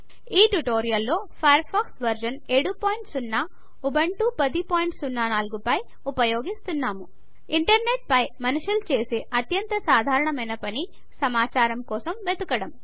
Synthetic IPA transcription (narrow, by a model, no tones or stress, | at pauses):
iːʈuʈo̞ːɾijɐlːo̞ː | pʰɐjɐɾpʰaːksʋɐɾd͡ʒɐneːɽupoːjɳʈsunːa | ubɐɳʈupɐd̪ipoːjiɳʈsunːaːnaːluɡupɐj | upɐjo̞ːɡist̪unːaːmu | iɳʈɐɾne̞ʈ̚pɐjmɐnuʂulut͡ʃe̞ːsiʔɐt̪jɐnt̪ɐsaːd̪ʱaːɾɐɳɐmɐjnɐpɐni | sɐmaːt͡ʃaːɾɐmkɔːsɐmʋed̪ukɐɽɐm